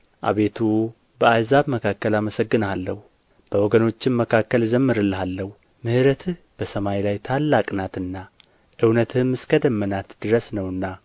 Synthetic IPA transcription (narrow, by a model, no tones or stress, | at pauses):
ʔa̰βe̞t̪ʰu | bəazaβməkʰakːəlaməsəɡːɨnalːəhu | b̥əwɔɡəno̞t͡ʃːɪmməkʰakːəlzəmːɨɾɨlːɨɦalːəhu | mɨhɨɾət̪ʰɨ | b̥əsəmajlajt̪ʰalːakʼnat̪ɨnːa | ʔɨwnət̪ʰɨmːɨskʰəd̪əmːənat̪d̪̥ɨɾəsnəwɨnːa